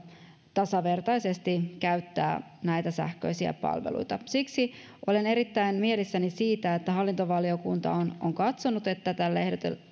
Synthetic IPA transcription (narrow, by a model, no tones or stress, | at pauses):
t̪ɑsɑʋe̞rt̪ɑjse̞st̪ikæyt̪ːæ̰ːnæjt̪æsæ̰hkø̞̰isiæ̰pɑ̰lʋḛlṵjt̪ɑsiksi | ʔo̞le̞ne̞ɾit̪ːæinmie̞lisːænisiːt̪æet̪ːæɦɑlːint̪oʋɑlio̞kunt̪ɑ̰onoŋkɑt̪so̞nut̪e̞t̪ːæt̪ælːehdet̪ḛl